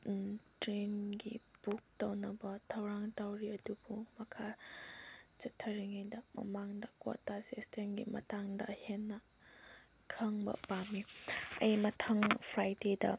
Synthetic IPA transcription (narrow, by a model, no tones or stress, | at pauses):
tɾenɡḭbuk̚tɐwnɐbɐtʰɐwɾaŋtawɾiɐdubumɐkʰa | t͡ʃɐtʰːɐɾiŋajdɐmɐ̰maŋdɐko̰tasestʰenɡḭmɐ̰taŋdɐ̰henːɐ | kʰɐŋbɐ̰pamiɐ̰jmɐtʰɐŋpʰɾajdedɐ̰